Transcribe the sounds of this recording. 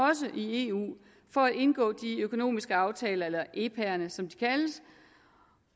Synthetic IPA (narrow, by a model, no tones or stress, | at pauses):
ɒ̽s̬əʔie̝ṵː | fɒ̽æ̥e̝nɡ̥ɔ̰̽ːd̥iøkʰo̝no̝̰ːmisɡ̥əɑ̈ʊt͡sʰɛːlɐelɐʔe̝ːpʰæɐnəsɒ̽md̥i̥kʰæləs